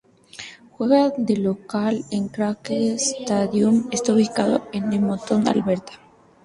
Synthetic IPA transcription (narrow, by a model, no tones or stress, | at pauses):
xwe̞ɣad̪e̞lo̞kaleŋkɾakest̪aðjumest̪aoβikaðo̰enːemot̪ona̰lβe̞ɾt̪ḁ